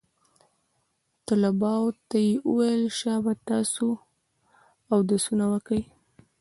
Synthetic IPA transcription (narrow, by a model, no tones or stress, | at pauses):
t̪əlabɑwt̪ajeʔuwajlʃɑbat̪ɑso | awd̪asunawəkəj